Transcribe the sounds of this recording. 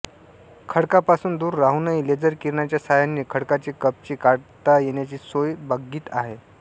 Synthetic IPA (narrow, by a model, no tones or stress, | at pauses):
kʰəɽkapasuːnd̪uːɾːaɦunəiled͡zəɾkiɾɳjat͡ɕjasajanːiːkʰəɽkat͡ɕiːkəp̚t͡ɕiːkaɽt̪ajeɳjat͡ɕiːsojbaɡiːt̪aɦe